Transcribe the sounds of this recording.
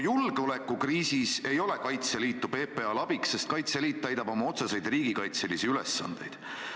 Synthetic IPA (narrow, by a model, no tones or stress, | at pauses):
julɡ̥eo̞lekːˑukriːsise̞jo̞le̞kɑjt̪se̞liːt̪ːˑube̞ːpeɑlɑb̥ikse̞st̪̚kɑjt̪seliːt̪̚ːæjd̪ɑb̥o̞mɑo̞t̪sese̞jd̪̥riːɡ̥ikɑjt̪selisiylḛsːɑ̰nd̪̥e̞̰jd̪̥